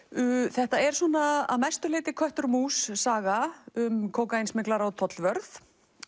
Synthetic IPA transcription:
ʏθɛht̪aɛɾ̥sɔːnaa̰ðmajst̪ʏlɪːt̪ɪkʰvœht̪ʏɾmuːsːaːɣaʏmkʰoːwkaejnsmɪklaɾawt̪ʰɔt̪lvœɾθ

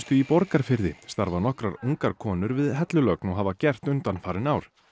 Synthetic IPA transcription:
st̪ʏipɔɾkaɾ̥fɪɾðɪst̪aɾvanɔhkɾaɾuŋkaɾkʰɔːnʏɾvɪðɦɛt̪lʏlœknɔɦavacɛr̥t̪ʏnt̪anfaɾɪnawɾ̥

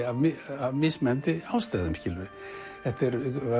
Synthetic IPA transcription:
avmɪavmɪsmɛnt̪ɪawst̪aːðʏmcɪlvɪ | θɛht̪ɪɾ

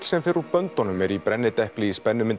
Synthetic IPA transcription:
sɛmfɪɾʏpœnt̪ɔnʏmɛɾipɾɛnːɪt̪ɛhpliːspɛnːʏmɪn

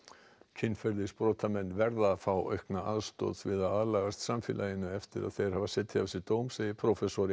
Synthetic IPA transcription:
cʰɪnfɛɾðɪspɾoːt̪ʰamɛnːvɛɾðaːfaːwʔœ̰ɥhknaʔaðst̪ɔ̰ːt̪vɪðawaðlaɣast̪samfɪ̰ːlʔajɪnʏɛft̪ɪɾa̰ðθejɾ̥havasɛt̪ʰːɪavsɪt̪oːwmsejɪpʰɾofɛsɔɾɪ

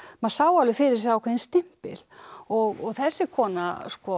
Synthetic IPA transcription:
maðsaːwalɪfɪɾɪɾ̥sawkʰvɛðinst̪ɪm̥pɪ̰l̥ɔɣɔɣθɛsːɪkʰɔːna̰skɔ

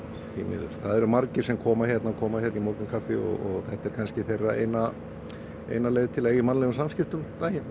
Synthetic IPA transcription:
hḭːmɪ̰ðʏ̰ɾ̥θaðɛɾʏmaɾcɪɾ̥sɛmkʰɔːmaçjɛt̪nakʰɔːmaçɛːɾnimoːɾkʏmkʰafɪɔ̰ɣɔɣθɛht̪ɛɾkʰanscɪθejrːaḛːjna | ḛjnaleːðɪt̪ʰɪleːjɪmanːlɛɣʏmsamskcɪft̪ʏmt̪ajɪn

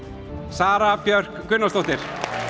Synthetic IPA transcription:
saːɾapjœr̥kːʏnːast̪owht̪ɪɾ̥

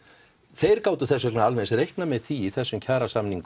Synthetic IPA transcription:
θejɾkaːwt̪ʏθɛs̬ɛnaalmɛnsɾejhknamɛðθiːθɛsːʏmcʰaːɾasamniŋk

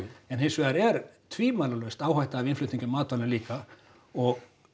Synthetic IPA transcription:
ɛnhɦejnsvɛaɾɛɾt̪ʰviːmaːlalœɥst̪aːwhajht̪aːvɪnflʏt̪niɲcʏmːaːt̪alɪnliːka | ɔɣ

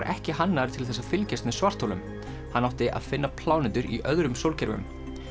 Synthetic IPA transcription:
ɾʔɛ̰hcɪɦanːaɾt̪ʰɪlθɛsːafɪlcɛst̪nɛsvar̥t̪ʰowlʏ̰m | hanːawt̪ɪʔa̰ðfɪnːapʰlaːwnɪnt̪ʏɾḭʔœðɾʏmsowlcʰɛɾvʏ̰m

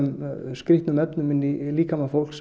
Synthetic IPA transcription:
mskɾɪht̪nʏmɛpnʏmɪnːiliːkamafowl̥ks

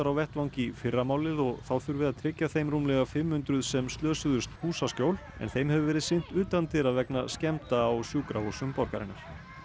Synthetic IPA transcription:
aɾawvɛht̪vawŋcɪfɪrːamaːwlɪðɔɣθawθʏɾvɪðaðt̪ʰɾɪcːaθejmɾumlɛɣafɪmːʏnt̪ɾʏðsɛmst̪lœːsʏðʏst̪huːsaskcjowl | ɛ̰nθejmhɛvʏvɛːɾɪðsɪn̥t̪ʏːt̪ant̪ɪɾaðvɛknascɛmt̪aːwsjuːkɾavusʏmpɔɾkaɾɪnaɾ̥

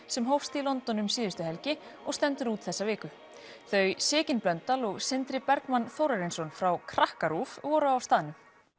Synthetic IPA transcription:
sɛmɦowfst̪ilɔnt̪ɔnʏmsɪːðʏst̪ʏɦɛlcɪɔɣst̪ɛnt̪ʏɾuːt̪θɛsːavɪːkʏ | θœɥsɪːcɪnplœnt̪alɔɣsɪnt̪ɾɪpɛɾkmanθowɾaɾinsɔnfɾawkʰɾahkaɾufvɔːɾʏawst̪aːðɪnʏm

